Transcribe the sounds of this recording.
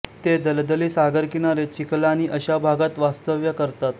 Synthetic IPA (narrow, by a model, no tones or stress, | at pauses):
t̪ed̪əld̪əliːsaɡəɾkiñaɾet͡ɕiklañiːʔəɕabʱaɡat̪ʋast̪əʋjəkəɾt̪at̪